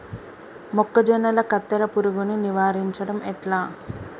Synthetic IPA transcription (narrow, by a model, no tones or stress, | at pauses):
mɔkːɐd͡ʒɐnːɐlɐkɐt̪ːɐɾɐpuɾuɡuniniʋaːɾiɲt͡ʃɐɽɐmɛʈlaː